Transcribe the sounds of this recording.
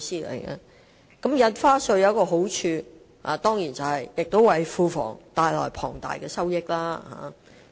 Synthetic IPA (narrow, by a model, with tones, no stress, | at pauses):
siː˥lḛ˨˩jkɛ̰˧ | kɐ˨˥mjɐ˨nfaː˥sɵ˧jɐ˨˧kɔː˧ɦo˨˥wt͡ʃʰyː˧ | ha̰ː˨t̪ɔː˥ŋjiː˨˩nt͡sɐ˨whɐ˨jjɪ˨k̚t̪o˥wɐ˨˥jfuː˨˧fɔ̰ː˨˩ŋt̪aː˨jlɔ̰ː˨˩jpʰɔ̰ː˨˩ŋt̪a̰ː˨jkɛː˧sɐ˥wjɪ˥k̚laː˥ha̰ː˨˥˦